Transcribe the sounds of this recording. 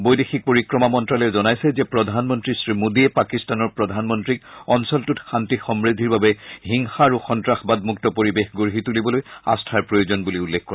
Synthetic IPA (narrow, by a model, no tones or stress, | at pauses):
bojdexik̚poɹikɹɔmamɔntɹalɛzɔnajsɛzɛpɹɔdʱanmɔntɹisɹimudiɛpakistanɔɹpɹɔdʱanmɔntɹikɔnsɔltutxantixɔmɹid̪ʱiɹbabɛɦiŋxaːɹuxɔntɹaxbad̚muktɔpoɹibexɡoɹɦitulibɔloja̰stʰaɹpɹojozɔnbuliulːek̚kːɔɹa